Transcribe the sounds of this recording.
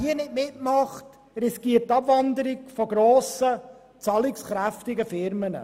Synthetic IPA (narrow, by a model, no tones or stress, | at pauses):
iənɪtmɪtmɑχt | ɾiskiət̚tːɑbvɑnd̪əɾiɡfɔɡɾoːsə | t͡sɑlɪksχɾæftɪɡəfɪɾmənə̰